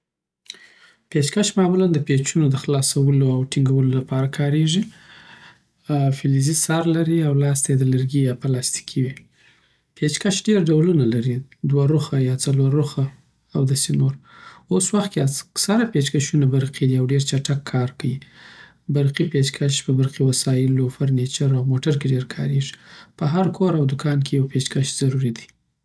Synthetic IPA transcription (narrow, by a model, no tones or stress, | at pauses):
pet͡ʃkaʃmamuland̪əpet͡ʃunod̪əxlɑsawəloawʈiŋɡawəlolapɑɾakʰɑɾeʐi | filizisɑɾlaɾiawlɑs̬t̪ajed̪ələɾɡijɑpəlɑst̪i̥kʰiwi | pet͡ʃkaʃɖeɾɖawlunalaɾid̪waɾuxajɑt͡salwaɾuxaː | wd̪ɑsenoɾoswaxt̪̚keaksaɾapet͡ʃkaʃunabaɾqid̪iawɖeɾt͡ʃaʈakʰːɑɾkawi | baɾqipet͡ʃkʰaʃpəbaɾqiwasɑjɪlofaɾnet͡ʃaɾawmoʈaɾkeɖeɾkʰɑ̰ɾeʐi̥pəɦaɾkʰoɾawd̪ʊkɑnkʰejawpet͡ʃkaʃz̥aɾuɾid̪i